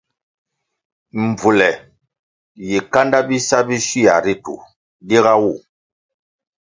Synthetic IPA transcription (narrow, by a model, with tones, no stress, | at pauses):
m˨b͡vu˨lɛ˨ | ji˨ka˦nda˦bi˦sa˦bi˦si˦a˨ɾi˦tṵ˨ | di˦ɣa˦wu˦˨